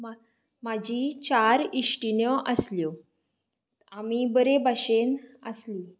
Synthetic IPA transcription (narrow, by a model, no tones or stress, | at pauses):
ma | mad͡ʑʱit͡ɕaɾiʂʈinəʔəsljo | amiːbəɾebaɕenəsliː